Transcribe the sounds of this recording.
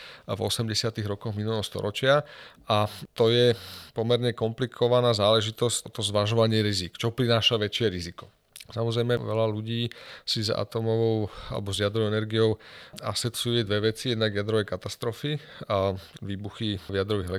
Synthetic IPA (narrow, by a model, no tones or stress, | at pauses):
vɔ̰sɛmɟɛsɪat̪iɣɾɔkɔɣminulɛɦɔst̪ɔ̰ɾɔt͡ʃɪaʔat̪ɔjɛpɔmɛɾɲɛkɔmplikʰɔʋanaːzaːlɛʒit̪ɔzcɔt̪ɔmzʋaʒɔʋaɲɪɛɾizikt͡ʃɔɔpɾinaːʃaʋɛt͡ʃɪɛɾizikɔ̥ | samɔzɾɛjmɛʋɛ̰laluɟiːsiza̰t̪ɔmɔʋɔʊa̰lɛ̰bɔzjad̪ɾɔʊɛnɛɾɡijɔʊa̰sɛt͡sujɛd̪ʋɛʋɛt͡sijɛd̪naɡjad̪ɾɔʋɛjkat̪ast̪ɾɔfiaʋiːbuxiʋjad̪ɾɔʋiɦɛlɛ